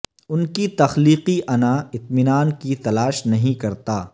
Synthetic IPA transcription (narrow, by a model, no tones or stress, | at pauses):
ʊnkit̪ɐxliːqiʔɐnaɪt̪mɪnaːnkit̪ɐlaːʃnɐɦĩkɐɾt̪aː